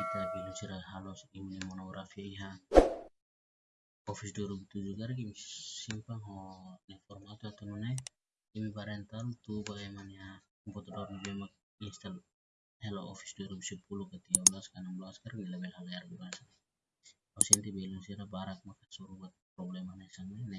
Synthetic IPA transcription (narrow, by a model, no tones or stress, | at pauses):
at̪abɛlunsiɾaɦalɔsimunimɔnɔɡɾafiaiɦa | ɔfisduɾubit̪ud͡ʒukaɾikimisimpaŋɦɔnɛfɔrmat̪uat̪ununɛ | kimibaɾɛnt̪alt̪ubalɛmanija | mpɔt̪adɔrnibemak̚ | inst̪al | heloofi̥sduɾubisupulukat̪iaulaskanamblaskaɾnilabɛlɦaleaɾɡulasa | hosint̪ibelunsiɾabaɾak̚makasuɾubat̪̚pɾɔblemanasaŋene